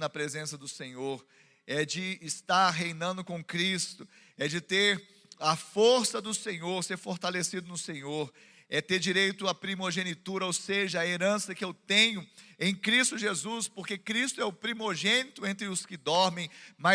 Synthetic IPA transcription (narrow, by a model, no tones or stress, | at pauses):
nɐpɾezẽsɐd̪ʊsẽɲoɾ | ɛd͡ʒɪːst̪aɾɦejnɐ̃nd̪ʊkõkɾist̪ʊ | ɛd͡ʒɪt̪eɾ | ɐfoɾsɐd̪ʊsẽɲoɾseɾfoɾt̪alesid̪ʊnʊsẽɲoɾ | ɛt̪eɾd͡ʒiɾejt̪ʊɐpɾimoʒenit̪uɾɐowseʒɐɐeɾɐ̃sɐkɪewt̪ẽɲʊẽj̃kɾist̪ʊʒezuspoɾkekɾist̪ʊɛʊpɾimoʒẽnit̪ʊẽnt̪ɾɪʊskɪd̪ɔɾmẽj̃ma